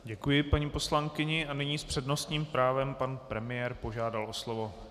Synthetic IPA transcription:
ɟɛkujɪpaɲiːpo̞slaŋkɪɲɪʔanɪɲiːspr̝̥ɛdno̞st̪ɲiːmpɾaːvɛmpanpɾɛmɪjɛːɾpo̞ʒaːdalʔo̞slovo̞

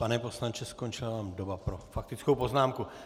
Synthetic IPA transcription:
panɛpo̞slant͡ʃɛsko̞nt͡ʃɪlavaːmdobapɾo̞fak̚t̪ɪt͡skowpoznaːmku

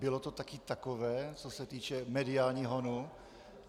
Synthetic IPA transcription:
bɪlot̪ot̪akɪt̪akovɛːt͡sosɛt̪iːt͡ʃɛmɛdɪaːlɲiːɦonu

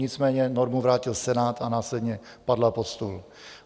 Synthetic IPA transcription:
ɪt͡smɛːɲɛnoɾmuvɾaːcɪlsɛnaːt̪anaːslɛdɲɛ | padlapot̪st̪ul

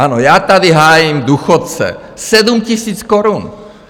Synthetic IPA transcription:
anojaːt̪adɪɦaːjɪmduːxot̪̚t͡sɛ̰ | sɛdumcɪsiːt͡skoɾun

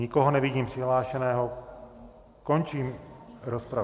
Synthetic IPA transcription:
ɲɪkoɦonɛvɪɟiːmpr̥ɪɦlaːʃɛnɛːɦo̞ | ko̞nt͡ʃiːmɾospɾa

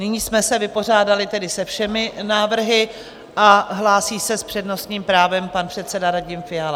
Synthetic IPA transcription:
nɪɲiːsmɛsɛvɪpo̞r̝aːdalɪt̪ɛdɪsɛfʃɛmɪnaːvr̩ɦɪ | ʔaɦlaːsiːsɛspr̥ɛdno̞st̪ɲiːmpɾaːvɛmpanpr̥ɛt̪sɛdaɾaɟɪmfɪal

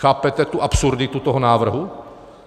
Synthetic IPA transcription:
xaːpɛt̪ɛt̪uʔapsuɾd̪ɪt̪ut̪oɦɔnaːvr̩ɦu

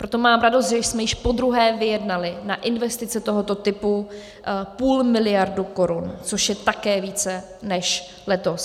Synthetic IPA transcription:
pɾo̞t̪omaːmɾadost̪ʒɛsmɛjɪʃpo̞d̪ɾuɦɛːvɪjɛdnalɪnaʔɪnvɛst̪ɪt͡sɛt̪oɦo̞t̪o̞t̪ɪpu | puːlmɪlɪjaɾduko̞ɾunt͡soʃjɛt̪akɛːviːt͡sɛ | nɛʃ | lɛt̪os

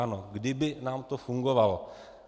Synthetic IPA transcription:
anɔɡədebenamt̪ofuŋɡowal

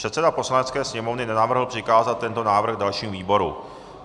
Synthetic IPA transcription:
ɛt̪sɛdapo̞slanɛtt͡skɛːsɲɛmo̞vnɪnɛnavr̩ɦl̩pr̝̥ɪkaːzat̪̚t̪ːɛnt̪o̞naːvr̩ɣdalʃiːmviːbo̞ɾṵ

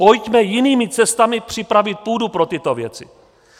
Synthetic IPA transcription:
po̞jcmɛjɪniːmɪt͡sɛst̪amɪpr̝̥ɪpɾavɪt̪̚puːdupɾo̞t̪ɪt̪o̞vjɛ̰t͡sɪ̰

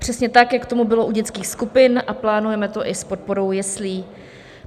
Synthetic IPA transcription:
pr̥ɛsɲɛt̪akjakt̪o̞mubɪlo̞ʔuɟɛt͡skiːxskupɪnʔaplaːnujɛmɛt̪o̞ʔɪspot̪̚po̞ɾo̞wjɛsliː

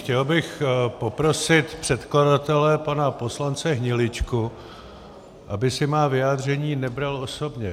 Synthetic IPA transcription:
xcɛlbɪxpo̞pɾo̞sɪt̪pr̥ɛt̪kladat̪ɛlɛpanapo̞slant͡sɛɦɲɪlɪt͡ʃku | ʔabɪsɪmaːvɪjaːd̪r̝ɛɲiːnɛbɾalo̞so̞bɲɛ

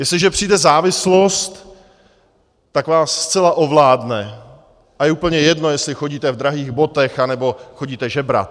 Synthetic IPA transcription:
jɛslɪʒɛpr̝̥iːdɛzaːvɪslo̞st̪ | akvaːsːt͡sɛlaʔovlaːdnɛ | ʔajɛuːpl̩ɲɛjɛdno̞jɛslɪxoɟiːt̪ɛvd̪ɾaɦiːɣbo̞t̪ɛxanɛbo̞xoɟiːt̪ɛʒɛbɾa̰t̪

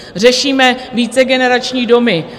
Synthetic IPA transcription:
r̝ɛʃiːmɛviːt͡sɛɡɛnɛɾat͡ʃɲiːdo̞mɪ

